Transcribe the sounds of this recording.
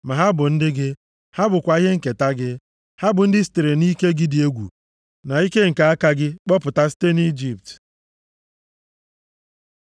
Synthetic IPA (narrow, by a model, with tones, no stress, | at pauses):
ma˨ɦa˦bʊ˨n̩˦dɪ˦ɡɪ˦ | ha˦bʊ˨kʷa˨i˦ɦe˦ŋ̩˨ke˨ta˦ɡɪ˦ | ha˦bʊ˨n̩˦dɪ˦si̥˨te˨ɾe˨ni˦ke˦ɡɪ˦dɪ˨e˦ɡʷṵ˨ | na˨i˦ke˦ŋ̩˨ka˨a˦ka˦ɡɪ˦k͡pɔ˦pʊ˨ta˦si̥˦te˦ni˦d͡ʒi˨p̚t